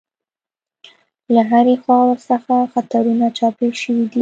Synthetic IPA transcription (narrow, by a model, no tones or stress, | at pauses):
laɦaɾexwɑwəɾsəxaxat̪aɾunat͡ʃɑpeʃəwid̪i